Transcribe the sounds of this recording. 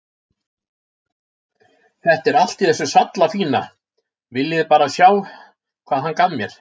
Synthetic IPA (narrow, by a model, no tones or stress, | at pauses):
θɛht̪ɛɾal̥t̪iθɛsːʏsat̪lafiːna | vɪljɪðpaːɾasjaw | kʰvaːðɦankammjɛɾ̥